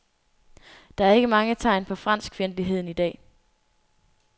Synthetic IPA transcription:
d̥ɑ̈æɐe̝ɡ̥əmɑ̈ŋət͡sʰɑ̈ɪ̰npʰɒ̽fʁɑn̰sɡ̥ʰfenliɦe̝ð̰ˠn̩id̥ɛ̰ː

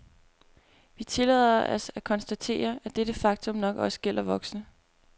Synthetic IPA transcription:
ʋit͡sʰe̝lɛ̰ð̰ˠɐʔɒsækʰɒ̽nsd̥æt͡sʰe̝̰ːɐæd̥ed̥əfɑ̈ɡ̥t͡sʰɔ̽mnɒ̽ɡ̥ɒ̽sə̥ɡ̥el̰ɐʋɒ̽ɡ̥snə

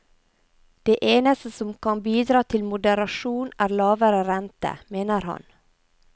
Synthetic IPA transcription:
d̪̥eːʔeːnəst̪əsɔmkʰɑnbiːd̪ɾɑːt̪ʰɪlmʊd̪əɾɑʃuːnæːɾlɑːʋəɾəɾɛnt̪ə̰meːnəɾhɑ̰n

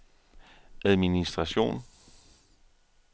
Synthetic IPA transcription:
ʔæð̞ˠminisd̥ʁɑɕo̝̰ːn

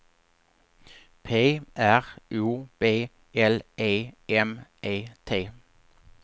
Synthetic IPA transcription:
pʰeːæʁʔuːb̥eː | ʔɛlʔeːɛmʔeːt̪ʰeː

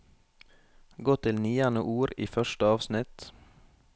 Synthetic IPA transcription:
ɡoːt̪ʰɪlnyːɑnə̰ʔuːɾiːfœʃʈəɑːʋsnɪt̪

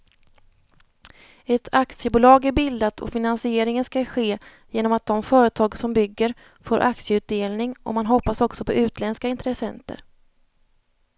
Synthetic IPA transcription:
ɛt̪ʰakt̪sɪəbʊːlɑːɡæɾbɪld̪at̪ʰɔ̰fɪnansɪeːɾɪŋənskaɧeː | jeːnɔmat̪̚d̪ɔmfœːɾət̪ʰɑːɡsɔmbʏɡːəɾ | foːɾʔa̰k̪sjəʉ̟ːt̪̚d̪eːlnɪŋʔɔ̰manɦɔpːasɔksɔpʰɔʉ̟ːt̪lɛnskaɪnt̪ʰɾɛsɛ̰nt̪ə̰ɾ

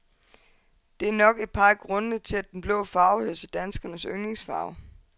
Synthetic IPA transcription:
d̥e̝æɐnɒ̽ɡ̥e̝d̥̚pʰɑ̈ɡ̥ʁɔ̽nət͡sʰe̝læd̥enb̥lɔ̽ʊfɑ̈ːʊhø̰sed̥ænsɡ̥ɐnəsøŋne̝ŋsfɑ̰̈ʊ

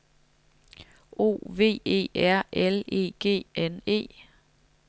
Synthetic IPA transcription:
o̝̰ːʋe̝̰ːe̝̰ːæɐ̰ʔele̝̰ːɡ̥e̝̰ːene̝̰ː

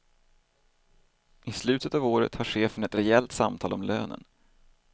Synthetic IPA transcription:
ɪslʉ̟ːt̪ət̪ɑvoːɾə̰t̪haɧeːfənɛt̪ɾɛɛlt̪samt̪ʰɑːlɔmløːnə̰n

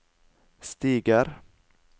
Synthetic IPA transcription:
st̪iːɡəɾ

